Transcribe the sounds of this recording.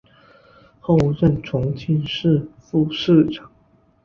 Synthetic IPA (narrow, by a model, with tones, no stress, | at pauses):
xo˥˧ʊɻə˥˨nʈ͡ʂʰʊ˧˥ŋt͡ɕʰi˥˧nʂɻ̩˥˧fu˥˧ʂɻ̩˥˨ʈ͡ʂɑ˨˩˦ŋ